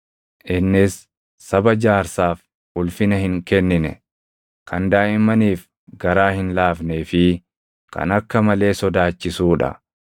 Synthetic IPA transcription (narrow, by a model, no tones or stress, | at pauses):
ʔɪnːɪsː | ɐbɐd͡ʒaːɾsaːf | ʊlfɪnɐhɪŋkɛnːɪnɛ̰ | kʰɐnd̪aːʔɪmːɐniːf | ɡɐɾaːhɪnlaːfneːfɪ | kɐ̰nɐkːɐmɐle̞ːsɔd̪aːt͡ʃːɪsuːᶑɐ̰